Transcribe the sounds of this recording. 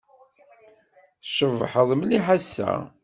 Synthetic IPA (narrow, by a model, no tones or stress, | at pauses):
θʃəvħəðˤmliħasːæ̰